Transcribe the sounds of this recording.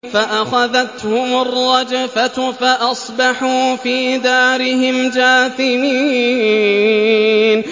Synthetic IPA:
faʔaxaðat̪hʊmʊrˤːɑd͡ʒfat̪faʔɑsˤbɑħuːfiːd̪aːɾɪɦɪmd͡ʒaːθɪmiː | n

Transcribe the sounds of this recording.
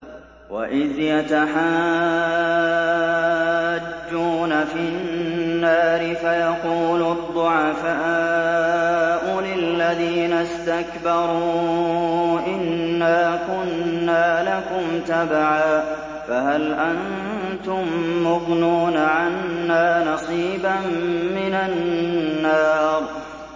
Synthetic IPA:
wa̰ʔɪðjat̪aħa | d͡ʒːuːnafɪnːaːɾɪfajɑquːlʊd̪ˤːʊʕɑfaː | ʔʊlɪlːaðiːnast̪akbɑɾˤuː | ʔɪnːaːkʊnːaːlakʊmt̪abaʕaː | fahalʔan | t̪ʊmːʊbnuːnaʕanːaːnɑsˤiːbamːɪnaː | ɑːɾˤ

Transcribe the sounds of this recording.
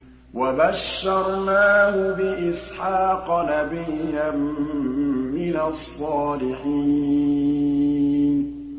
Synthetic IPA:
wabaʃːɑɾˤnaːhʊbɪʔɪsħɑːqnabɪjːam | mɪnasˤːɑːlɪħiː | n

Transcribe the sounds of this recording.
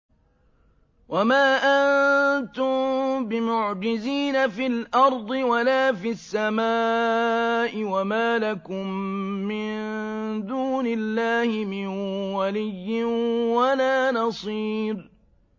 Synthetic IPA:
wʔamaːʔant̪ʊmbɪmʊʕd͡ʒɪziːnafilʔɑɾˤd̪ˤɨwalaːfisːamaː | ʔɪwamaːlakʊmːɪnnd̪uːnɪlːaːhɪmɪnwalɪjːɪnwalaːnɑsˤiːɾ

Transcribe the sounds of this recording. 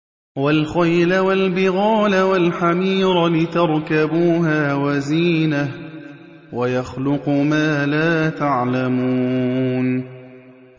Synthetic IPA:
walxajlawalbɪɣɑːlawalħamiːɾlɪt̪ɑɾˤkabuːɦaːwaziːna | wajaxlʊqʊmaːlaːt̪aʕlamuːn

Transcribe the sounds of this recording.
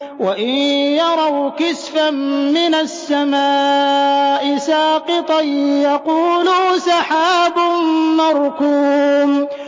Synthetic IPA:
waʔɪnjɑɾˤɑwkɪsfamːɪnasːamaː | ʔɪsaːqɨt̪ˤɑjjɑquːlusɑħaːbʊnmɑɾˤkuːm

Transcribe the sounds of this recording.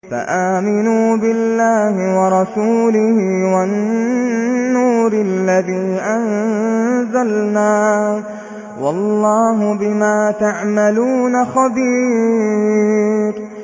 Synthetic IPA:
fa̰ʔaːmɪnuːbɪlːaːhɪwɑɾˤɑsuːlɪhiwanː | uːɾɪlːaðiːʔan | zalnaː | wɑlˤːɑːɦʊbɪmaːt̪aʕmaluːnaxɑbiː | ɾ

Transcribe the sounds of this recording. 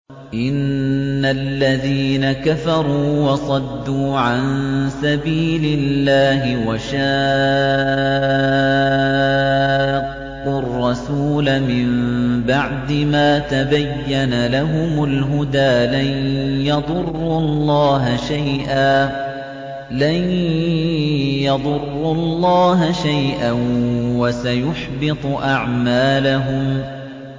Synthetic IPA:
ʔɪnːalːaðiːnakafɑɾˤuːwɑsˤɑd̪ːuːʕansabiːlɪlːaːɦɪwaʃaː | qʊrˤːɑsuːlamɪmbaʕd̪ɪmaːt̪abajːanalaɦʊmʊlɦʊd̪aːlanjɑðˤʊrːʊlːɑːɦaʃajʔaː | lan | jɑðˤʊrːʊlːɑːɦaʃajʔanwasajʊħbɪt̪ˤʔaʕmaːlaɦʊm

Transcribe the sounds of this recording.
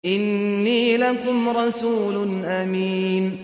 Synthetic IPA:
ʔɪnːiːlakʊmɾˤɑsuːlʊnʔamiːn

